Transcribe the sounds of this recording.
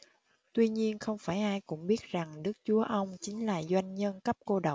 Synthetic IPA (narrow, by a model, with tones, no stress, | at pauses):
t̪wi˧ɲi˧ənxə˧wŋ͡mfaː˧˩jʔaː˧jkʊ̰˧˥ŋ͡mɓi˦˥ət̚za˨˩ŋɗɨ˦˥k̚t͡ɕu˨˦əʔə˧wŋ͡mt͡ɕï˨˦ŋ̟laː˨˩zwa˧jŋ̟ɲə˧nkə˦˥p̚ko˧ɗə˨˩w